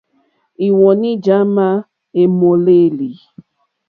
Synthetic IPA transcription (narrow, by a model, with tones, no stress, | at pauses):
i˨wɔ˨ni˦d͡ʒa˦ma˦ | e˨mo˨le˦˨li˨